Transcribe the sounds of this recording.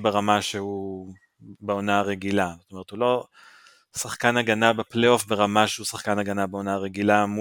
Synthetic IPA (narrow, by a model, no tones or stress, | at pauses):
be̞ʁamaʃehu | beonaaʁeɡilazot̪ome̞ʁethulo̞ | saχkanaɡanabeplejo̞fbe̞ʁamaʃehusaχkanaɡanabeo̞naaʁeɡilam